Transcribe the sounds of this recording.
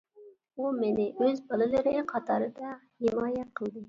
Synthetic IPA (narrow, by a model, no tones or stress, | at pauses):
umɪnɪøzbɑlˠɨlˠɨɾɪqʰɑt̪ʰɑɾɨd̪ɑ | hɪmɑːjɛt̪̚qʰəlˠd̪ɨ